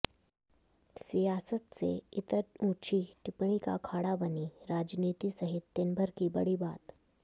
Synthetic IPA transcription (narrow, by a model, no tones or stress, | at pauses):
sijasət̪̚t͡sḛit̪əɾũt͡ɕʰiʈipɳ̃ika̰kʰaɽabəniɾad͡ʒnit̪iːsəɦit̪ːenbʱəɾkiːbəɽiːbaːt̪